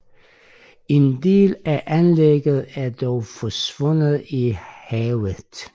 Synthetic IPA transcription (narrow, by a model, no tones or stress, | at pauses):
e̝nd̥e̝̰ːlæʔænleɡ̥əð̩ˠæɐd̥ɒʊfɒsʋɔ̽n̰ð̩ˠihɛːʊə